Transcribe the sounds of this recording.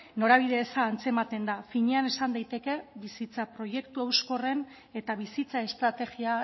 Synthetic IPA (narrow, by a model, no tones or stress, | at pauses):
no̞ɾaβ̞iðe̞ːsaːnt͡se̞mat̪e̞nd̪afiɲeane̞sand̪ajt̪e̞ke̞βisit͡sapɾo̞je̞kt̪uawsko̞re̞n | e̞t̪aβisit͡sae̞st̪ɾat̪e̞ɣia